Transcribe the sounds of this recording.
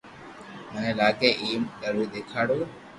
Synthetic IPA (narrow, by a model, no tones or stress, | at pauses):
mənẽːlaːkeːʔiːmɗ̪əɾuːd̪eːkʰaːɽoː